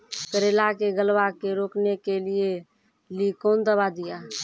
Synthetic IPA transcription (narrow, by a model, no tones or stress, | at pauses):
kəɾeːlakeɡəlʋakeɾoːknekelɪe | likõːnd̪əbad̪ɪjaː